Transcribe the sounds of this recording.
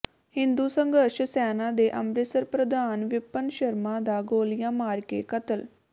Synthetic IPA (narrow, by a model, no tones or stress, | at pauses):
hɪ̃nd̪uːsəŋɡəɾʃsɛːnãːd̪eːʔəmɾɪsəɾpɾəd̪aːnʋɪpːənʃəɾmãːd̪aːɡoːlɪjãːmaːɾkḛːkət̪əl